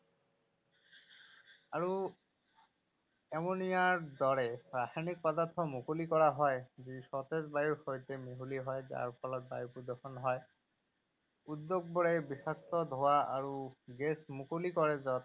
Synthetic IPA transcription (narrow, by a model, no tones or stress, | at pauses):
aɹu | ɛmonijaɹd̪ɔɹɛɹasanik̚pɔdat̪ʰːɔmukulikɔɹaɦɔjzisɔt̪ezbajuɹxojtɛmeɦuliɦɔjza̰ɹpʰɔlɔt̪̚ba̰jiɹpudɔxʰɔnɦɔj | ud̪ːoɡ̚bɔɹɛbisak̚tɔd̪ʱowaaɹuɡɛsmukolikɔɹɛzɔt̪